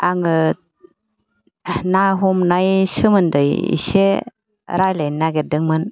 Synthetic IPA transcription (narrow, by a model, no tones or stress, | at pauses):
aŋɯ | naɦɔmnajsɯmɯndɯjḭse | ɾajlajnnːaɡeɾ̚dɯŋmɯn